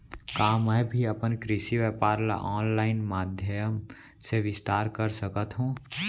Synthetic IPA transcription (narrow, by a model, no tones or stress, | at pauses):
kaːmɛjbʱiəpənkɾɪʃiʋɛːpaːɾla̰ʔɔːnlaːɪnmaːd̪ʱjəjəm | seʋɪst̪aːɾkəɾsəkət̪ɦũː